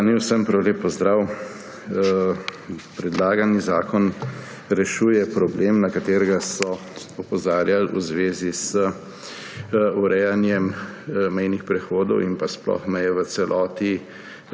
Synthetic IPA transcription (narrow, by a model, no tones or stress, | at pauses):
niwsəmpɾawleːpːɔzd̪ɾaw | pɾɛd̪laːɡanizaːkɔn | ɾɛʃuːjɛpɾɔbleːmnakat̪eːɾɛɡasɔ | ɔpɔzaːɾjalṵzʋeːzisə | uɾɛjanjɛmmɛjnixpɾɛxoːd̪ɔ̰wimpasplɔ̰xmɛjɛʋət̪sɛlʔɔːt̪i